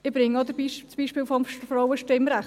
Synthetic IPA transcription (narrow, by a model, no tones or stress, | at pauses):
ɪbɾɪŋɔd̪əbiʃt͡sb̥iːʃpɪːlfɔmfɾɔwəʃtɪmɾæχ